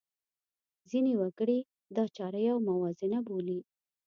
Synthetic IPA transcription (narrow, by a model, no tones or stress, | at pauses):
zinewaɡəɽi | d̪ɑt͡ʃɑɾəjawmawɑzɪnaboli